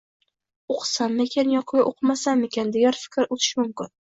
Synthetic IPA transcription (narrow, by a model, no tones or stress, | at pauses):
oqʰsamːekʲʰanjɒqʰɨɡʲaʔoqʰɨmasamekʲʰand̪eɡʲaɾfɪ̥kʲʰɪɾot̪ʰɪ̥ʃmʊmkʲɪn